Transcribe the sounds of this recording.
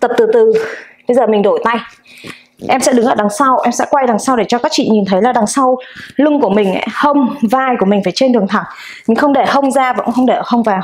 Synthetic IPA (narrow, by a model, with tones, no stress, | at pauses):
t̪ə˨˩p̚t̪ɨ˨˩t̪ɨ˨˩ɓə˧jzəː˨˩mï˨˩ŋ̟ɗo˧˩jt̪a˧j | ʔɛ˧msɛ̰˧˥ɗɨ˨˦ŋʔəː˧˩ɗa˨˩˦ŋsa˧wʔɛ˧msɛ̰˧˥kwa˧jɗa˨˩ŋsa˧wɗe˧˩t͡ɕɔ˧kaː˦˥k̚t͡ɕḭ˧˨ɲi˨˩nt̪ʰə˨˦jlaː˨˩ɗa˨˩ŋsa˧wlɨ˧ŋku˧˩əmi˨˩ŋ̟ʔa̰˨˦hə˧wŋ͡mvaː˧˩jku˧˩əmï˨˩ŋ̟faː˧˩jt͡ɕe˧nɗɨ˨˩əŋt̪ʰa˧˩ŋ | ɲɨ̰˧˥ŋxə˧wŋ͡mɗe˧˩hə˧wŋ͡mzaː˧vaː˨˧˨xə˧wŋ͡mɗe˧˩ʔəː˧˩hə˧wŋ͡mvaː˨˩